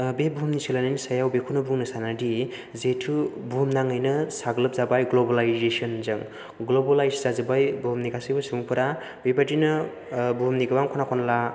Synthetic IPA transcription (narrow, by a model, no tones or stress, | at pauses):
bebʱumnisilanɯnisajawbekʰunɯbuŋnɯsanadi | zetʰubumnaŋɯjnɯsaɡlɯp̚zabajɡlobalajzesonzɯŋ | ɡlobalajszazɯbajbumniɡasɯjbɯsuŋpʰɯɾa | bebadinɯ | bumniɡawaŋkʰɔnakʰɔnla